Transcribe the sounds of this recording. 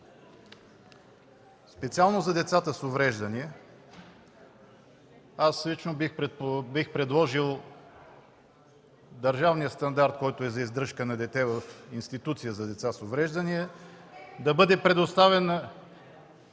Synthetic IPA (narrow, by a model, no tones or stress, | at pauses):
spɛt̪sialˠnozɐd̪ɛt̪sat̪əsovɾɛʒd̪əniɛ | aslit͡ʃnobixpɛbixpɾɛd̪lˠɔʒilˠ | d̪əɾʒavnijəst̪ɐnd̪aɾt̪̚kɔjt̪oɛzɐizd̪ɾɤʃkənɐd̪ɛt̪ɛvəfinst̪it̪ut̪sijəzɐd̪ɛt̪sasovɾɛʒd̪əniɛ | d̪ɐbɤd̪ɛpɾɛd̪ost̪avɛn